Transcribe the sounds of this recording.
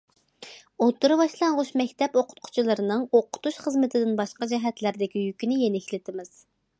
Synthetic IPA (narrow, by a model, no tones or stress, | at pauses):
ot̪ːɨɾɨbɑʃlˠɑɴʁʊʃmɛkʲt̪ʰɛpoqʰʊ̥t̪̚qʰʊ̥t͡ʃʰilˠɨɾɨnɨŋoqʰʊ̥t̪uʃχəzmɪt̪ʰɪd̪ɪnbɑʃqɑd͡ʒɛɦɛt̪læɾd̪ɪkʲijykʲinɪjenɪkʲlɪt̪ʰɪmɪz̥